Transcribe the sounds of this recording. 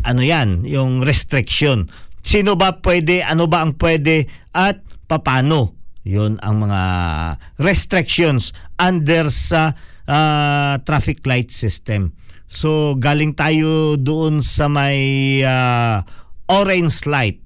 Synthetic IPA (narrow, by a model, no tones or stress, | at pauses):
ʔɐnojanjʊŋɾɛst̪ɾɪkʃonsiːnobɐpwɛd̪ɛʔɐnobɐʔɐŋpwɛːd̪ɛʔɐt̪̚pɐpaːno̞jonɐ̰ŋmɐŋa̰ | ɾɛst̪ɾɪkʃonsʔand̪ɛɾsɐʔat̪ɾafɪk̚lajt̪̚sɪst̪ɛm | soɡaːlɪŋt̪aːjo̞d̪ʊʔonsɐmɐja | ʔoɾɛnslajt̪̚